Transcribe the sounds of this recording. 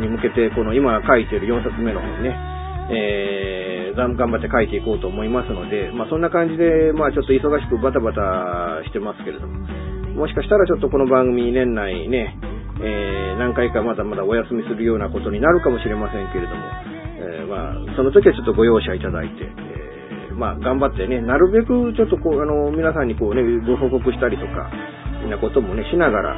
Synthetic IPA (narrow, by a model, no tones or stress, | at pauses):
ɲ̟imɯ̟ke̞t̪e̞ko̞no̞imakait̪eɾɯ̟jõ̞ɰ̃sat͡sɨme̞no̞ne̞ | e | ɡaɡãmbat̪ːe̞kait̪e̞iko̞ːt̪o̞ːmo̞imasɨno̞d̪e̞masõ̞nːakãɲ̟d͡ʑid̪e̞maːt͡ɕo̞t̪ːo̞iso̞ɡaɕi̥kɯ̟bat̪̬abat̪aɕi̥t̪e̞masɨ̥ke̞ɾe̞d̪o̞mo | mo̞ɕi̥kaɕi̥t̪aɾat͡ɕo̞t̪ːo̞ko̞no̞bãŋɡɯ̟mʲiɲinẽ̞nːaine̞ | eːnãŋkaikamad̪amad̪ao̞jasɨmʲisɨɾɯ̟jo̞ːnako̞t̪o̞ɲ̟inaɾɯ̟kamo̞ɕiɾe̞masẽ̞ŋke̞ɾe̞d̪o̞mo̞̰ | ma̰so̞no̞t̪o̞kʲiat͡ɕo̞t̪ːo̞ɡo̞jo̞ːɕait̪ad̪a̰it̪e̞̰ | maɡãmbat̪ːe̞ne̞naɾɯ̟be̞kɯ̟t͡ɕo̞t̪ːo̞koːano̞mʲinasãɲ̟ːiko̞ːne̞bɯ̟ɦo̞ko̞kɯ̟ɕi̥t̪aɾʲit̪o̞ka̰ | inako̞t̪o̞mo̞ne̞ɕinaɡaɾa̰